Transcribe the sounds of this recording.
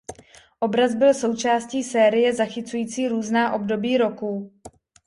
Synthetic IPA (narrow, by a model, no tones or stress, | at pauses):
ʔo̞bɾazbɪlso̞wt͡ʃaːsciːsɛːɾɪjɛzaxɪt͡sujiːt͡siːɾuːznaːʔo̞bdo̞biːɾo̞kuː